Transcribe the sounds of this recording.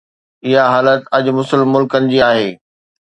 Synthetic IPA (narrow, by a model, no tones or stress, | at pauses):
ɪɦaɦaːlət̪ɐd͡ʑʊmʊsəlmʊlkənɪ̆d͡ʑiːaːɦeː